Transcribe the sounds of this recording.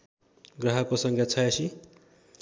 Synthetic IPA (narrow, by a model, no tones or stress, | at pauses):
ɡrʌɦʌkosʌŋkjʌt͡sʰʌjesi